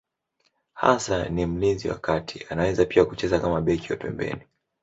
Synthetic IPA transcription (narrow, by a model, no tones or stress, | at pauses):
ha̰sanim̩linziwa̰katʰianawɛzapiakut͡ʃɛzakamaɓɛkiwapɛ̰mbɛ̰ni